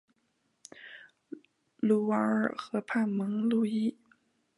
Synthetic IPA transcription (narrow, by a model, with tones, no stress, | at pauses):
lu˥˩ɑ˧˥ə˞˥˧˩xɤ˧˥pʰa˥˩nmɤ˧˥ŋlu˥˩i˥